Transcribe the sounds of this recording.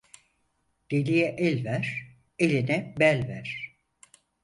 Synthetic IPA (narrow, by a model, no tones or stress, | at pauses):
d̪̥elʲijɛʔɛlʲvæɾ̥ | elʲinɛbælʲvæɾ̥